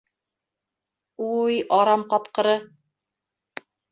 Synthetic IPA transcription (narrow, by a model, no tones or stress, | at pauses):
ujɑɾɑmqɑt̪qɤ̆ɾɤ